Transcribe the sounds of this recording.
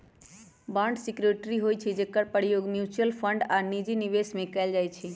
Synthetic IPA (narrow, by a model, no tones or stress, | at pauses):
bãɳɖsikɾoʈɾiɦojt͡ʃʰed͡ʒekːəɾpəɽijoɡmjut͡ʃəlpʰəɳɖanid͡ʒiniʋesmẽkaɪld͡ʒaːjt͡ʃʰe